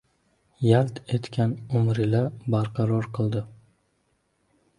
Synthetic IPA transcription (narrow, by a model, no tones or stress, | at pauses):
jalt̪ʰe̞t̪kʲʰanʊmɾɪlabaɾqʰɑɾɒɾqʰɨlˠd̪ɪ